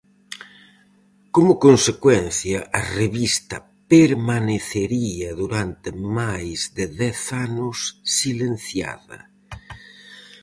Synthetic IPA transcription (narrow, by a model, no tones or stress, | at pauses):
komʊkonsekwɛn̟θjɐʔɐreβist̪ɐ | peɾmaneθeɾiɐðuɾant̪emajzðeðɛθanʊsːilen̟θja̰ðɐ̰